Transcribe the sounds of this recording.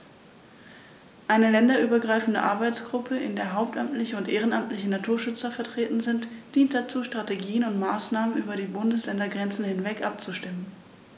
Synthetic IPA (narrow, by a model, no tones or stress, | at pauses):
ʔaɪnəlɛndɐʔyːbɐɡʁaɪfn̩dəʔa̰ɐbaɪt͡sɡ̥ʁʊpʰəʔɪ̰ndeːɐɦaʊp̚tʔamtʰlɪçəʊntʔeːʁ̞ənʔamtlɪçənatʰuːɐʃʏt͡sɐfɛɐtʁ̥eːtn̩zɪntd̥iːnt̚d̥at͡suːʃtʁ̥ateɡiːənʊntmaːsnaːmənʔyːbɐɾiːbʊndəslɛndɐɡʁɛnt͡sn̩hɪnvɛkʔap̚t͡suʃtɪmən